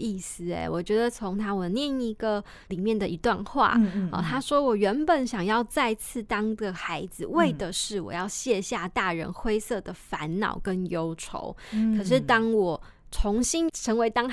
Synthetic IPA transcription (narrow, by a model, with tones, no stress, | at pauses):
i˥˩sɹ̩˨˩ḛ˨˩wʔɔ˨˩t͡ɕɥɛ˧˥d̪ə˨t͡sʰʊ˧˦˥ŋt̪ʰa˥wɔ˨˩njɛ˥˩ni˧˥ɡə˨ | li˨˩mjɛ˥˩nd̪ə˩i˧˥t̪wa˥˧nxwa̰˥˩˨t̪ʰa˥ʂwɔ˥wɔ˨˩ɥɛ˧˥npə˨˩nɕjɑ˨˩ŋjɑ˥˧ʊt͡sa˥˧ɪt͡sʰɹ̩˥˩t̪ɑ˥ŋd̪ə˨xa˧˥ɪd͡zɹ̩˧˨we˥˩ɪd̪ə˩ʂɻ̩˥˩wɔ̰˨˩jɑ˥˧ʊɕjɛ˥˧ɕja˥˧t̪a˥˩ɻə̰˧˥nxwe˥ɪsɤ˥˩d̪ə˩fa˧˦nnɑ̰˨˩ʊkə˦njo˥ʊʈ͡ʂʰo̰˧˦ʊkʰə˨˩ʂ̬ɻ̩˥˩t̪ɑ˥ŋwɔ˨˩ | ʈ͡ʂʰʊ˧˦˥ŋɕi˥nʈ͡ʂʰɤ˧˥ŋwe˧˥ɪt̪ɑ˥ŋ